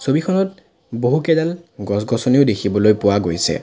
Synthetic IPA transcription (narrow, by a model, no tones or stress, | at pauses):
sobikʰɔnɔt | boɦukɛdalɡɔs̬ɡɔsɔniodekʰibɔlojpʊwaɡojsɛ̰